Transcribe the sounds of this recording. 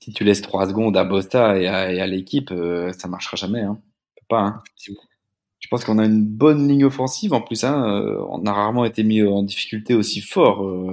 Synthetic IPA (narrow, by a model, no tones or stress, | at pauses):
sit̪ylɛst̪χwasəɡɔ̃d̪abɔst̪aeaealekʲipøsamaʁʃʁaʒamɛɛ̃ | pøpaɛ̃ | ʒ̥ə̥pɑ̃skɔ̃naynbɔnliɲɔfɑ̃sivɑ̃plysɛ̃ø̰ɔ̰̃naʁaʁmɑ̃et̪emiɑ̃d̪ifi̥kʲylt̪eosifɔʁø